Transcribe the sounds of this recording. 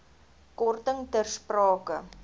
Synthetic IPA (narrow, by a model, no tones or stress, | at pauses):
kɔrtəŋdərsprɑːkə